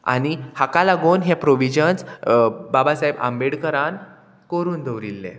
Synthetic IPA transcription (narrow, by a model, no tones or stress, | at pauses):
a̰ɽ̃ihakalaɡoːnɦepɾoʋid͡ʑənsbabasaɦeba̰mbeɽkəɾan | koɾuːnd̪əʋɾilːḛ̃